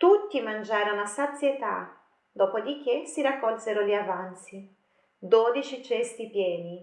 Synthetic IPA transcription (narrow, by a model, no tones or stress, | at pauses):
t̪ut̪ːimand͡ʒaːɾonasat̪sjet̪a̰ | d̪ɔːpod̪ik̟ːesiɾakːɔlseɾoliavant̪si | d̪oːd̪it͡ʃit͡ʃɛst̪ipjɛːni